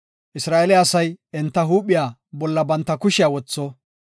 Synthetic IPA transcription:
ʔɪsɾaːʔɛlɪːsɐjɛnt̪ːɐɦuːpːɪjaːbɔlːɐbɐnt̪ːɐkʊʃɪjawɔt͡sːɔ

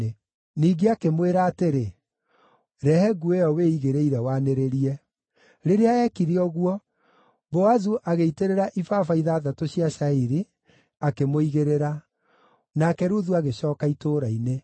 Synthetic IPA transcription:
e | niːɡeakemweɾaːteɾe | ɾɛhɛɡueɔweiɣeɾeiɾɛwaneɾeɾiɛ | ɾeɾeaɛkiɾeɔɣuwɔ | boazuʔaɣeiteɾeɾaʔifafaiðaːðatoɕiaʃaiɾi | akemoiɣeɾeɾa | nakɛɾuðuaɣeɕɔːkaitoːɾaine

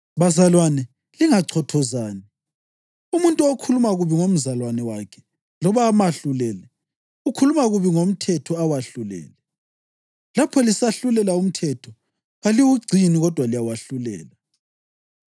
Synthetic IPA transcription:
βazalwanɛ | liŋaǀʰɔtʰɔzaːni | umuntʼuokʰulumaɣuβiŋom̩zalwanɛwakʰɛ̥ | lɔβamaɬulɛːlɛ | ukʰulumaɣuβiŋom̩tʰɛtʰɔawaɬulɛ̰ːlɛ | lapʰɔlisaɬulɛlaum̩tʰɛtʰɔ | aliwuɡ͡ǀʱiniɣɔd̥ʱwalijawaɬulɛ̰ːla

